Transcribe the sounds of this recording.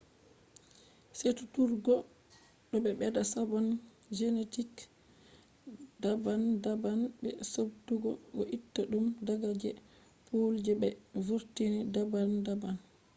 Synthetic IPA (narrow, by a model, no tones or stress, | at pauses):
setu̥tuɾɡɔ | ɗɔɓɛɓɛdasabɔn | d͡ʒenetik | dabandabanbɛsobduɡɔɡɔʔitːaɗumdaɡad͡ʒɛ | pʰold͡ʒɛbɛvuɾtinidabandaban